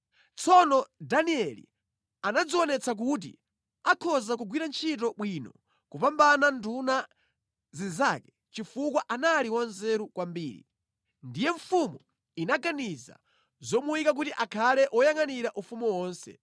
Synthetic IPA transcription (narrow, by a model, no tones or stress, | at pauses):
t͡sʰɔnɔdaniɛlḭ | anad͡ziɔnɛt͡sak̬ut̬ḭ | akʰɔzak̬uɡwiɾant͡ʃʰitɔɓwinɔ | kupambananduna | zizakɛ̥ | t͡ʃifukwaʔanaliwanzɛɾukwambiːɾḭ | ndijɛɱfumu | inaɡaniza̰ | zɔmuwikak̬utiʔakʰalɛʔɔjaŋaniɾaʔufumuwɔːnsɛ̰